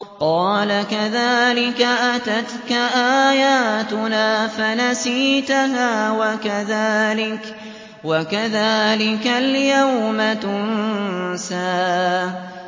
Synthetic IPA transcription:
qɑːlakaðaːlɪkaʔat̪at̪kaʔaːjaːt̪ʊnaːfanasiːt̪aɦaːwakaðaːlɪk | wakaðaːlɪkaljawmat̪ʊnsaː

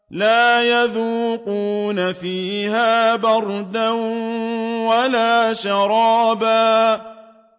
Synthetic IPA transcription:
laːjaðuːquːnafiːhaːbɑɾˤd̪an | walaːʃɑɾˤɑːbaː

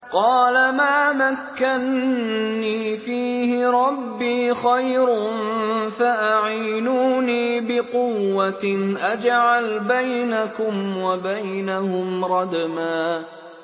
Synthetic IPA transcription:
qɑːlamaːmakːanː | iːfiːhɪɾˤɑbːiːxajɾnfaʔaʕiːnuːniːbɪqʊwːaʔad͡ʒʕalbajnakʊmwabajnahʊmɾˤɑd̪maː

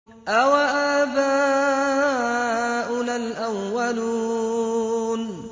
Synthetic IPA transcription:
ʔawaʔaːbaː | ʔʊnalʔawːalu | n

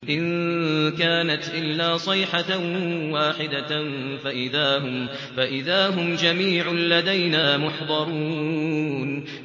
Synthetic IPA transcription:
ʔɪnkaːnat̪ʔɪlːaːsˤɨjħawaːħɪd̪a | faʔɪðaːɦʊm | faʔɪðaːɦʊmd͡ʒamiːʕlad̪ajnaːmʊħd̪ˤɑɾˤuː | n

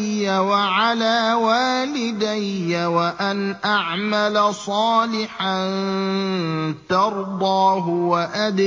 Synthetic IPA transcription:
awaʕalaːwaːlɪd̪ajawaʔanʔaʕmalasˤɑːlɪħan | t̪ɑɾˤd̪ˤɑːɦʊwaʔad̪

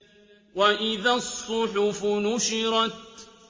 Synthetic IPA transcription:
waʔɪðasˤːʊħʊfʊnʊʃɪɾˤɑt̪̚

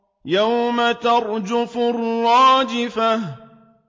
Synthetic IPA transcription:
jawmat̪ɑɾˤd͡ʒʊfʊɾɾˤɑːd͡ʒɪfah

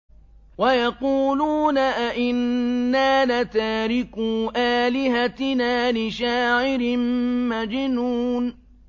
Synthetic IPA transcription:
wajɑquːluːnaʔaʔɪnːaːlat̪aːɾɪkuːʔaːlɪɦat̪ɪnaːlɪʃaːʕɪɾɪmmad͡ʒɪnuːn

